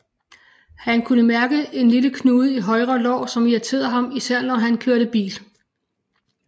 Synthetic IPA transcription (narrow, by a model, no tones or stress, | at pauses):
hænkʰunəmæɐɡ̥əʔe̝nliləkʰnuːðˠiɦɒ̽ɪʁɐlɒ̰ːsɒ̽miɐt͡sʰe̝̰ːðˠɐɦɑ̈misæɐ̰lnɒɦænkʰøɐɾəb̥ḭːl